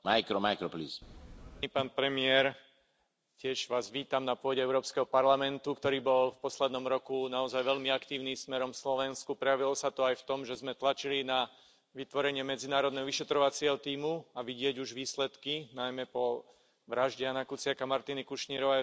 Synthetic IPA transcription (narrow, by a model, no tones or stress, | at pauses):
majkɾɔmajkɾɔplisipaːnpɾɛmɪɛɾ | cɪɛʒʋaːzʋiːt̪amnapʊɔɟɛɛʊɾɔːpskɛɦɔpaɾlamɛnt̪ukt̪ɔɾiːbɔlfpɔslɛd̪nɔmɾɔkunaɔzajʋɛʎmiakt̪iːʊniːmsmɛɾɔmfslɔʋɛnskupɾɛjaʋilɔsat̪ɔajft̪ɔmʒɛzmɛt̪lat͡ʃilina | ʋit̪ʋɔɾɛɲɪɛmɛd͡zinaːɾɔd̪nɛɦɔʋiʃɛt̪ɾɔʋat͡sɪɛɦɔt̪iːmuaʋiɟɪɛɟuʒʋiːslɛt̪kinajmɛpɔ | ʋɾaʒɟɪanakut͡sɪakamaɾt̪inikuʃɲiɾɔʋɛ